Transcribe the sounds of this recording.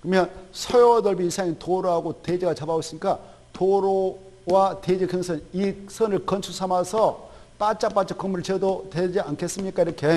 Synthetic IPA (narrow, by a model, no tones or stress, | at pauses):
kɯmjʌnsʰʌjodʌɭbiisʰaŋitoɾoɦaɡoted͡ʑiɡat͡ɕabaos͈iɲik͈a | toɾo | wated͡ʑikʰeŋsʰɯnisʰʌnɯɭkʌnsʰusʰamasʰʌp͈at͡ɕ͈ap͈at͡ɕ͈ʰikʌŋmuɾɯɭt͡ɕedoted͡ʑiankʰes͈ɯmɲik͈aiɾʌkʰe